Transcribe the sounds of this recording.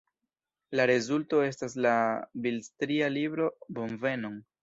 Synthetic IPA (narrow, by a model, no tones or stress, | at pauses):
laɾe̞zulto̞e̞s̬tas̬labilstɾialibɾo̞bo̞mve̞noŋ